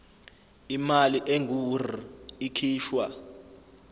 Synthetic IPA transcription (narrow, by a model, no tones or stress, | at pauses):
imaliʔeŋʱur̤iikʰiːʃwa